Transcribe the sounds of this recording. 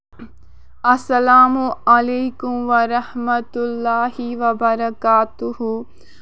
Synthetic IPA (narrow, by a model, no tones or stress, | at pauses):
ɐsɐlaːmuɐleːkʊmʋɐɾɐhmɐt̪ʊlːaːhiʋɐbɐɾɐkaːt̪ʊhu